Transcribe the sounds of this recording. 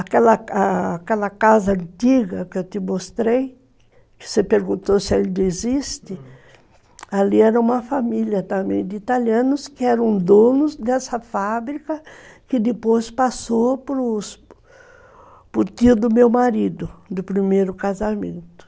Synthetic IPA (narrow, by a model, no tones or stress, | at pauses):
akɛlɐakɛlɐkazɐɐ̃nt̪iɡɐkɪewt̪ɪmost̪ɾej | kɪ̥sepeɾɡũnt̪osɪeld̪ezist̪ɪ | aliɛɾɐũmɐfamiljɐt̪ɐ̃mḛ̃j̃d̪ɪit̪aliɐ̃nʊskɪɛɾɐ̃w̃d̪õnʊzd̪ɛsɐfabɾikɐkɪd̪ɪpojspasopɾʊs | pʊɾt̪iʊd̪ʊmewmaɾid̪ʊd̪ʊpɾimejɾʊkazamḛ̃nt̪ʊ̥